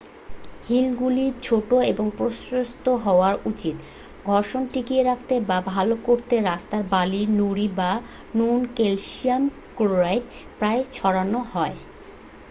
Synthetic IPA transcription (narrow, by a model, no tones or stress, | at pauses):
hilɡuliɾt͡ɕʰoʈoeboŋpɾosɾost̪oɦɔoaɾut͡ɕit̪ | ɡʱɔɾʃonʈikieɾak̚ʰt̪ebabʱalokoɾt̪eɾast̪aɾbalinuɾiba | nunkelʃiam | kɾoɾajɖ | pɾaet͡ɕʰɔɽanohɔe